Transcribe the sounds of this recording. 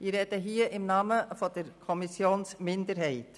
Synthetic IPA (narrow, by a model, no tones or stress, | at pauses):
iɾɛd̥əɦiːəʔɪmnɑːməfɔdəɾkʰɔmisjoːnsmɪndəɾɦɛɪt